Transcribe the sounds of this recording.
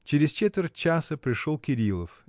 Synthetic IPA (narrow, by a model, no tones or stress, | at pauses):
t͡ɕɪɾʲɪst͡ɕet̪vʲɪr̚ʲt͡ɕasəpɾʲɪʂolˠkʲɪɾʲilˠəf